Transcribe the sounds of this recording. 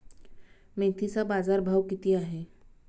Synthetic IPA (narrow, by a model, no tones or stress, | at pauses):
mẽːt̪ʰisabaːzaːɾbʱaːwkit̪ijaɦɛː